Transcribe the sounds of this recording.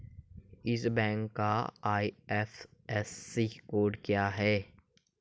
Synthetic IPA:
ɪsbɛ̃ːŋkːaaːiɛːfɛsːikoːɾɖkjaːɦɛː

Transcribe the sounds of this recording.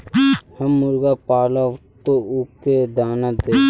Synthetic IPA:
həmːʊɾɡapaːlat̪oʊked̪aːnad̪e

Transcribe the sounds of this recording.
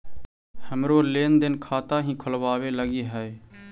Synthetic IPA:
həmɾoːleːnd̪ɪnkʰaːt̪aːɦĩːkʰʊlʋaːʋeːləɡiːɦəe

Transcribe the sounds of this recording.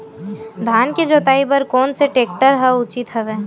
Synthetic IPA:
d̪ʱaːnkid͡ʒoːt̪aːibɐɾkɔːnseʈeːk̚ʈəɾɦɛʊt͡ʃit̪ɦɐʋeː

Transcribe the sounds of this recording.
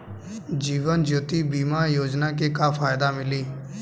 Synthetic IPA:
d͡ʒiːʋənd͡ʒoːt̪iːbiːmaːjoːd͡ʒnaːk̬ekaːfʰaːjd̪aːmɪliː

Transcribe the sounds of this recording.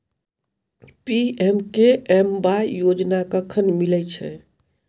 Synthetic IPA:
piemkeembajjod͡ʒnakəkʰənmilɛt͡ʃʰɛ̰

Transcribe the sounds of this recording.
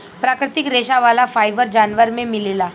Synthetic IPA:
pɾakɾɪt̪ikɾeɕaʋalafajbəɾd͡ʒanʋəɾmẽmilela

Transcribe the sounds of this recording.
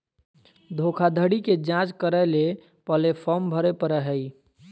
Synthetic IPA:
d̪ʱokʰad̪ʱəɽiked͡ʒãt͡ʃkəɾəle | pəlepʰɔmbʱəɾepəɾəɦəi

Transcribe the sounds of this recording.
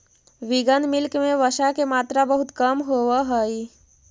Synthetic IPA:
ʋiɡənmɪlkmẽʋəʃakemaːt̪ɾabəɦut̪kəmɦoʋəɦəi

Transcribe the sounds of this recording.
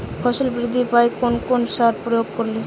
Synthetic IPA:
fʰɔʃolbɾid̪ʱːipajkonkonʃaɾpɾojoɡ̚koɾle

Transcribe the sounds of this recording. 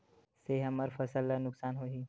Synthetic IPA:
seɦɐməɾfɐsəlanʊksaːnɦoːɦiː

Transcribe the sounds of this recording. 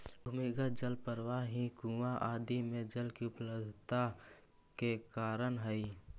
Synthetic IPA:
bʱʊmiɡəd͡ʒəlpəɾʋaɦĩkũːaʔaːd̪imẽd͡ʒəlkiʊpləbd̪ʱt̪a | kekaːɾənɦɛi

